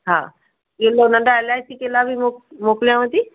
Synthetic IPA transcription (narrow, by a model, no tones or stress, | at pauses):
ɦã̰ | ɡelonəɳɖaɛlajsikelabʱimokmokljaməd̪ʱːe